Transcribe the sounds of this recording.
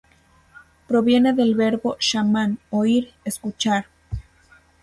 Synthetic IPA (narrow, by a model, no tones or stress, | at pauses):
pɾoβje̞neðelβeɾβoʃamanoiɾeskut͡ʃaɾ